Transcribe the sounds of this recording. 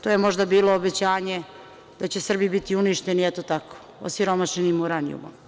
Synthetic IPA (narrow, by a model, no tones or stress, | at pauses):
t̪oːjemo̞ʒd̪abiːloːbet͡ɕaːɲe̞ | d̪̥at͡ɕesr̩bibit̪iuniʃt̪eniɛt̪ot̪ako̥ | o̰siɾo̞maʃenimuɾanijṵma